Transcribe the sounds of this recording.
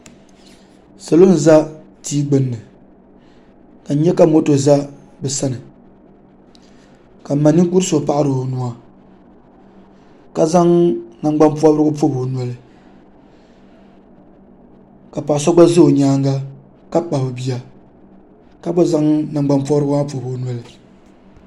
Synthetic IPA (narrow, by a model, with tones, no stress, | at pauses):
sa˨lo˦n̩˨za˦ | tiː˦ɡ͡bɨ˨nːɨ˨ | ka˨n̩˦ɲɛ˦ka˦mo˦to˨za˦ | bɛ˨sa˦nɨ˨ | ka˨ma˨nːi˦ku˦ɾspa˦ʔa˦ɾɨ˨nu˨a˨ | ka˨za˦ŋna˨ŋɡ͡ba˦mpu˦ɔ˦bɾɨ˦ɡʊ˦po˦bo˨nwa˨lɨ˨ | ka˨pa˨ʔa˨sɔ˦ɡ͡ba˦zɨ˦o˨ɲaː˦ŋɡa˦ | ka˦k͡pa˨hʊ˨bi˦a˦ | ka˦bo˦za˦ŋna˨ŋɡ͡ba˦npɔ˦bɾɨ˦ɡʊ˦a˦po˨bo˨nwa˦lɨ˨